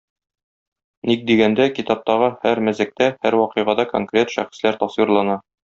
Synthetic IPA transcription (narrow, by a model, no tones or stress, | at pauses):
nik̚d̪iɡænd̪ækit̪ɑp̚t̪ɑʁɤhæɾmæzɘ̆k̚t̪æhæɾwɒqɤ̆jʁɑd̪ɑko̰ŋkrʲet̪ʃæ̰χĭ̥slæɾt̪ɒswiɾlˠɑnɑ